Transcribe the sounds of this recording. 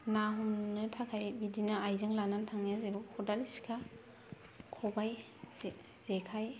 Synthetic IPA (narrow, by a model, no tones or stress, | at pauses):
naɦumnɯtʰakʰajbidinaajzɯŋlanantʰaŋjazebɔkʰɔdalsi̥kʰa | kʰɔbaj | z̥ekʰaj